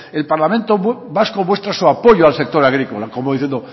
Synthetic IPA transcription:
e̞lpaɾlamẽnt̪oβaskomwe̞st̪ɾasuapoʎoalsek̚t̪o̞ɾaɣɾikolakomoðiθjend̪o

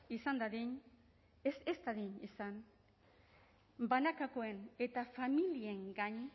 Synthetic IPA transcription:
isand̪aðiɲ | esest̪aðiɲisan | banakakoe̞ne̞t̪afamilie̞ŋɡaɲ

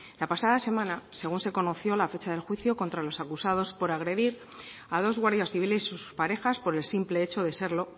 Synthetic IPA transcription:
lapasaðase̞mãnase̞ɣunse̞ko̞no̞θjo̞lafe̞t͡ʃaðe̞lxwiθjo̞ko̞nt̪ɾalo̞sakusað̞o̞spo̞ɾaɣ̞ɾe̞ðiɾ | að̞o̞zɣwaɾðjasθiβile̞si̥suspaɾe̞xaspo̞ɾe̞lsimple̞et͡ʃo̞ðe̞seɾlo̞

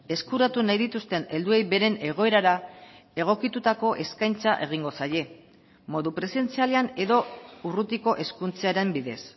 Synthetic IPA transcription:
e̞skuɾat̪unajðit̪ust̪e̞ne̞ld̪ue̞jβe̞ɾe̞ne̞ɣ̞o̞e̞ɾaɾae̞ɣ̞o̞kit̪ut̪ako̞ʔe̞skajnt͡saʔe̞ɣ̞iŋɡo̞saje̞ | mo̞ðupɾe̞se̞nt͡sialeane̞ðo̞urut̪iko̞ʔe̞skunt͡seaɾe̞mbiðe̞s

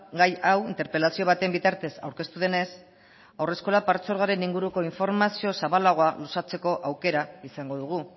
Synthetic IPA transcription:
ɡajawint̪e̞ɾpe̞lasio̞β̞at̪embit̪aɾt̪e̞sa̰wɾke̞st̪uð̞ene̞s | awre̞sko̞lapaɾt͡so̞ɾɣ̞aɾe̞niŋɡuɾuko̞iɱfo̞ɾmasio̞saβalaɣo̞alusat͡se̞ko̞ʔawke̞ɾaisaŋɡo̞ðuɣ̞u

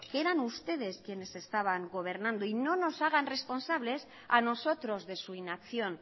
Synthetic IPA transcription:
keɾanust̪e̞ð̞e̞skjene̞se̞st̪aβ̞aŋɡo̞β̞e̞ɾnãnd̪oino̞no̞saɣ̞anre̞spo̞nsaβ̞le̞s | a̰no̞so̞t̪ɾo̞zðe̞suinakθjo̞n

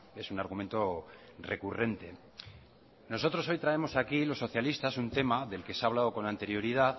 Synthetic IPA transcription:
e̞sunaɾɣume̞nt̪o̞re̞̰kure̞nt̪e̞ | no̞so̞t̪ɾo̞so̞jt̪ɾae̞mo̞sakilo̞sːo̞θjalist̪asunt̪e̞maðe̞lke̞saβlaðo̞ko̞nant̪e̞ɾjo̞ɾiðað

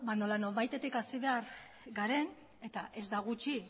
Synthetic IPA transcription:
bano̞lano̞ɾβajt̪e̞t̪ikasiβe̞aɾ | ɡaɾe̞n | e̞t̪aʔe̞zd̪aɣ̞ut͡ʃi

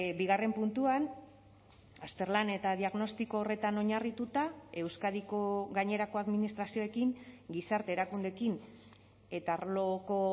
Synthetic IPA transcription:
biɣare̞mpunt̪uan | ast̪e̞ɾlane̞t̪aðiaɣno̞st̪iko̞ːre̞t̪ano̞ɲarit̪ut̪ae̞wskaðikoɣaɲe̞ɾako̞aðminist̪ɾasio̞ekiŋɡisaɾt̪e̞ːɾakund̪e̞kin | e̞t̪aaɾloko̞

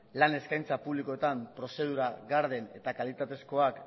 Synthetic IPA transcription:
lane̞skajnt͡sapuβliko̞e̞t̪ampɾo̞se̞ð̞uɾaɣaɾðe̞ne̞̰t̪akalit̪at̪e̞sko̞ak

